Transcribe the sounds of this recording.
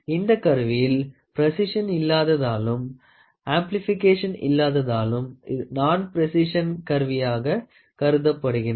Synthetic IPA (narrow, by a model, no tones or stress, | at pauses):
ɪnd̪ɐkːɐɾʋɪjɪlpɾɐsɪʂɐnɪlːaːðɐðaːlɯm | aːmplɪfɪkːeːʂɐnɪ̰lːaːðɐðaːlɯmnaːnpɪɾɛsɪʂɐnkɐɾʋɪjaːɣɐ | kɐɾɯðɐpːɐɽɯɣɪn